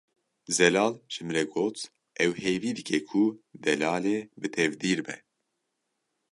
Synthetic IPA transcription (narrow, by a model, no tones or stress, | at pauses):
zɛlɑːlʒ̥ɨmɾɛɡoːt̪ | ʔɛwheːjviːd̪ɨkʰɛkʰud̪ɛlaːleːbɨt̪ʰɛvd̪iːɾbɛ̰